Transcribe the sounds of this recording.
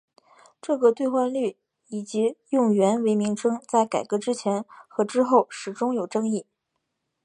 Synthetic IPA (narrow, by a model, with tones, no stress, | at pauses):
ʈ͡ʂɤ˥˧ɡə˧t̪we˥˧ɪxwa˥˧nly˥˩ | i˨˩t͡ɕi˧˥jʊ˥˩ŋɥɛ˧˥nwe˧˥ɪmi˧˥ŋʈ͡ʂʰɤ˥ŋt͡sa˥˩ɪka˨˩ɪkɤ˧˥ʈ͡ʂɻ̩˥t͡ɕʰjɛ˧˥nxɤ˧˥ʈ͡ʂɻ̩˥xo˥˩ʊʂɻ̩˨˩ʈ͡ʂʊ˥ŋjo˨˩ʊʈ͡ʂɤ˥ŋi˥˩